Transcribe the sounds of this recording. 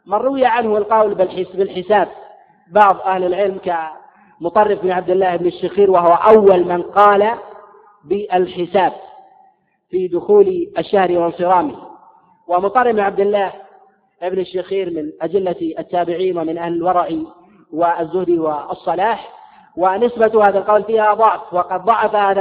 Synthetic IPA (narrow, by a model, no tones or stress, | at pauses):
manrˤːʊwjaʕanhʊɪlqɑwlbɪlħɪbɪlħɪsaːb̚ː | ɑʕðˤʔahlɪlʕɪlmka | mʊt̪ˤɑrˤːɪfmɪnʕab̚d̪ɪlːaːhʔɪbnaʃːaxiːɾwaɦʊwaʔawːalmanqɑːla | bɪʔalħɪsaːb̚ | fid̪ʊxuːlʔaʃːahɾiwɪnsˤɨɾˤɑːmi | wɪmʊt̪ˤːɑrˤːɪbɪnʕab̚d̪ɪlːaːh | ʔɪbnaʃːaxiːɾmɪnʔad̪ɪlːaat̪ːaːbɪʕiːnwɪmɪnʔahlɪlwɑɾˤɑʕi | wɪazːʊhd̪iwɪɑsˤːɑlaːħ | wɪnɪsbat̪haːðalqɑwlfiːhaðˤɑʕfwɑqɑd̪̚ðˤɑʕɑfahaːða